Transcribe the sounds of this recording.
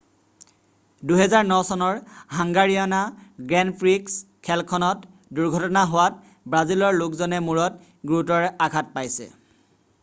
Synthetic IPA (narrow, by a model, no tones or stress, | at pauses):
duɦɛzaɹnɔsɔnɔɹɦaŋɡaɹianaɡɹɛnpʰɹiks | kʰɛlkʰɔnɔt | duɹɡʱɔtɔnaɦowat̚ | bɹazilɔɹlʊkzɔnɛmuɹɔt | ɡɹutɔɹaɡʱat̚pajsɛ̰